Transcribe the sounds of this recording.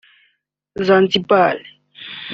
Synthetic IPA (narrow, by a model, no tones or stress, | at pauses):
zãnt͡sipal